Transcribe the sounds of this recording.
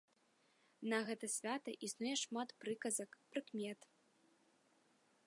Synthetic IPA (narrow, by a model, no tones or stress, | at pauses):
nɐɣɛt̪ɐsʲvʲat̪ɐʔisnujɛʂmat̪pɾɨkɐzɐkpɾɨkmʲɛt̪